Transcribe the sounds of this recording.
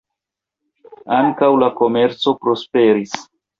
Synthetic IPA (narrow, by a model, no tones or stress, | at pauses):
aŋkawlako̞me̞ɾt͡so̞pɾo̞spe̞ɾis